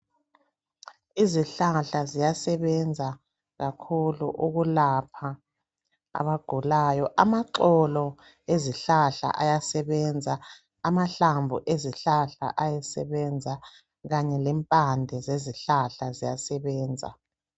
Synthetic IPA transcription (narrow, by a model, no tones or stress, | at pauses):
iziɬaɬazijasɛβɛnd͡zʱa | ɣakʰulṵʔuɣulapʰa | a̰βaɡ̥ʱulajɔʔamaǁɔlɔ | eziɬaɬa̰ʔajasɛβɛnd͡zʱaː | maɬambʱuʔeziɬaɬa̰ʔajɛsɛβɛnd͡zʱa | ɣaɲɛlɛmpʼandʱɛzeziɬaɬazijasɛβɛːnd͡zʱa̰